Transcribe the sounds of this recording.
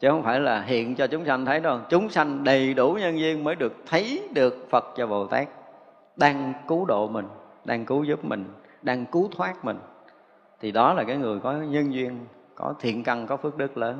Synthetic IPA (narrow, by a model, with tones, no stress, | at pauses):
t͡ɕɨ˨˦hə˧wŋ͡mfaː˧˩jlaː˨˩ɦḭ˧˨ənt͡ɕɔ˧t͡ɕʊ˨˦ŋ͡msa˧jŋt̪ʰə˨˦jzo˧jt͡ɕʊ˨˦ŋ͡msa˧jŋ̟ɗə˨˩jɗu˧˩ɲə˧nzwi˧ənməː˨˦jɗɨ˨˩ək̚t̪ʰə˨˦jɗɨ˨˩ək̚fə˨˩t̚t͡ɕɔ˧vo˨˩t̪a̰ː˦˥k̚ | ɗaː˧ŋku˨˦ɗo̰˧˨mï˨˩ŋ̟ | ɗaː˧ŋku˨˦zɨ˦˥p̚mï˨˩ŋ̟ɗaː˧ŋku˨˦t̪ʰwaː˦˥k̚mï˨˩ŋ̟ | t̪ʰi˨˩ɗɔ˨˦laː˨˩kaː˨˦jŋɨ˨˩əjkɔ˨˦ɲə˧nzwi˧ən | kɔ̰˨˦t̪ʰḭ˧˨ənka˧˩nkɔ˨˦fɨ˦˥ək̚ɗɨ˦˥k̚ləː˨˦n